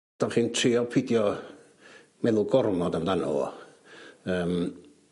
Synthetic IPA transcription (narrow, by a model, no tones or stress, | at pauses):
d̥ɔχiːntʰriːɔpʰɪdjɔ | mɛðʊlˠɡɔrmɔdamdanɔ̰ɔ̰ | əːm